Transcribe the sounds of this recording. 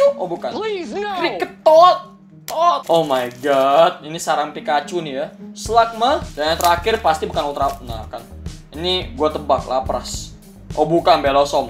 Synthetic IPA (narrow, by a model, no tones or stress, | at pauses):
obukanɾikət̪ɔt̪̚ | tʔomajɡɔt̪̚inisaɾaŋpikat͡ʃunɪjaslak̚mahdanjaŋt̪əɾakɪrpast̪ibukanut̪ɾana̰ka̰niniɡuat̪əbak̚la̰pɾa̰s | ʔobukanbelasɔm